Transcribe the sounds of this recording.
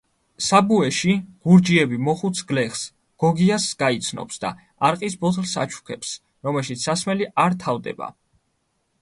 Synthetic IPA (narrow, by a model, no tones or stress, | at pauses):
sabuɛʃiɡ̥uɾd͡ʒiɛbimɔχut̪sʰɡlɛχs | ɡ̥ɔɡiasɡ̥ait̪sʰnɔ̰psd̪a̰ | aɾqʼisbɔt̪ʰlsa̰t͡ʃʰu̥kʰɛps | ɾɔmɛlʃit̪ssasmɛliʔaɾt̪ʰavd̪ɛ̰ba̰